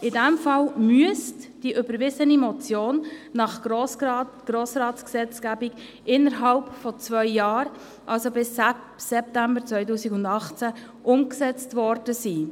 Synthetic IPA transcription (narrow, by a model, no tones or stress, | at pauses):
ɪdæmfɑlmyəstd̥iʔʏbəɾʋɪsənimɔt͡sjoːnːɑχɾosɑɡ̥ɾoːsɾɑːtsksɛt͡sɡ̥æbiɡ̥ | ɪnːəɾɦɑlpfɔt͡svœʏːɑːɾ | ʔɑlsobɪs | sɛp̚tæmbəɾt͡svœʏtuːsiɡʊndɑχt͡sæ | ʔʊmksɛt͡stʋɔɾd̥əsiː